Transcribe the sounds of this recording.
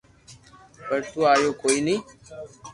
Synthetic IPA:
pəɾt̪uːaːjoːkoːiːnĩː

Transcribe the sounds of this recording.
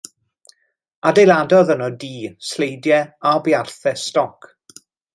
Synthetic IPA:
adejlˠadɔðənɔdiːslejdjɛabjarθɛstɔk

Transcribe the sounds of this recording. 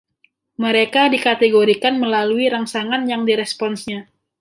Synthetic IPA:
məɾekadikat̪eɡoɾikanməlaluiɾaŋsaŋanjaŋdiɾɛspɔnsɲa

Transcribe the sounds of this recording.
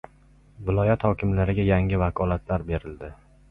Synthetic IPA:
vɪlˠɒjat̪hɒkʲɪmlaɾɪɡʲajaŋɪvakʰɒlat̪ʰlaɾbe̞ɾɪld̪ɪ

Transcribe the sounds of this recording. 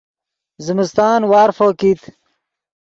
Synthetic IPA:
zimist̪aːnwaːɾfoːkit̪

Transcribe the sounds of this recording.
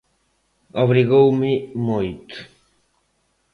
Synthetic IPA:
ɔβɾiɣowmimojt̪

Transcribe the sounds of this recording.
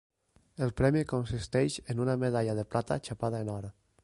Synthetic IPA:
elˠpɾɛmikonsist̪ɛʃenunameðaʎaðeplʔat̪a̰t͡ʃapaðaenɔɾa

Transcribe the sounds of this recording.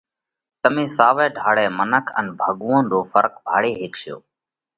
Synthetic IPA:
t̪əmẽːsaːʋɛːɖʱaːɽɛːmənəkʰə̰nbʱəɠuːə̃ːnɗ̪oːfəɾkbʱa̰ːɽeːɦeːkʃɪjo̰ː

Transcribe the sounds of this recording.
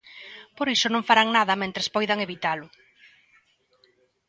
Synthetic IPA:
poɾisʊnõŋfaɾaŋnaðɐmẽnt̪ɾespɔjðaŋeβit̪alʊ

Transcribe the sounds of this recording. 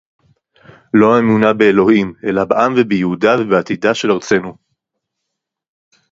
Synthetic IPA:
lo̞aemunabeelo̞hime̞labeʔamvebejehudavebeat̪idaʃe̞laʁt͡se̞nu

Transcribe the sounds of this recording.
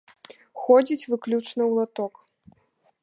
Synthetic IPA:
xɔd͡zʲit͡sʲvɨklʲut͡ʂnɐwlˠat̪ɔk

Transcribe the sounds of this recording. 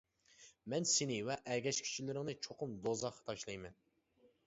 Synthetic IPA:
mɛnsɪnɪwɛʔɛɡʲɛʃkʲʰi̥t͡ʃʰilɪɾɪŋnɨt͡ʃʰoqʊmd̪ozɑqʰːɑ̥t̪ʰɑʃlˠɑjmɛn

